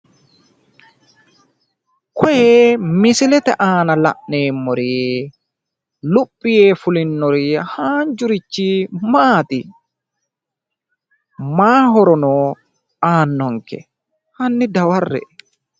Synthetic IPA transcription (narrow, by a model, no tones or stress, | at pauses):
kɔjeːmɪsɪlɛt̪ɛ̰ʔaːnɐlɐ̰ʔneːmːɔɾi | lʊpʼːɪjeːfʊlɪnːɔɾihaːnd͡ʒʊɾɪt͡ʃːimaːt̪ɪ | maːɦɔɾɔnɔː | aːnːɔŋkɛ̰ | hɐnːɪd̪ɐwɐrːɛ̰